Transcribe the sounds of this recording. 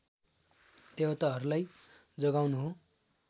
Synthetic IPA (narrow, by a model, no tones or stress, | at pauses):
eɦʌt̪aɦʌɾulajd͡zʌɡawnuɦo